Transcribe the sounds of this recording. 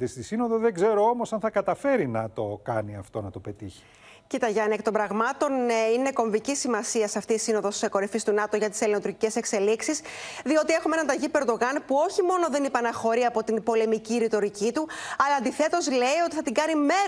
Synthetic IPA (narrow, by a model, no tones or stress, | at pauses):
ist̪isino̞ðoðeɡze̞ɾo̞o̞mo̞sɐnθɐkɐt̪ɐfe̞ɾinɐt̪o̞kɐniɐft̪o̞nɐt̪o̞pe̞t̪içi̥ | cit̪ɐʝɐnekt̪o̞mbɾɐɣmɐt̪o̞nine̞ko̞ɱvicisimɐsiɐsɐft̪iːsino̞ðo̞sko̞ɾifist̪unɐt̪o̞ʝɐt̪i̥se̞linot̪uɾcice̞se̞kse̞liksisðio̞t̪ie̞xume̞nɐnd̪ɐʝipeɾd̪o̞ɣɐnpuo̞çimo̞no̞ðe̞nipɐnɐxo̞ɾiɐpo̞t̪inbo̞le̞miciɾit̪o̞ɾicit̪uɐlɐːnd̪iθe̞t̪o̞zle̞io̞t̪iθɐt̪iŋɡɐnime̞